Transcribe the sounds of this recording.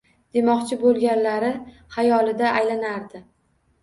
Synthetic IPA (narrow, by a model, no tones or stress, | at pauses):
d̪̥e̞mɒqt͡ʃʰɪbolˠɡʲanlaɾɪ | hajɒlˠɪd̪aʔajlanaɾd̪ɪ